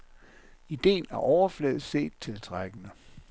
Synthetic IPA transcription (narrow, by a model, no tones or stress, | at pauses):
id̥e̝̰ːnæɐʔɒʊɐflɛ̰ːð̩ˠse̝̰ːd̥̚t͡sʰe̝lt͡sʰʁaɡ̥ənə